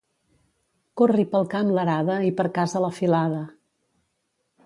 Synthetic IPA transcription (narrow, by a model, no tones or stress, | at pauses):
koripəlˠkamləɾaðəipəɾkazələfilaðə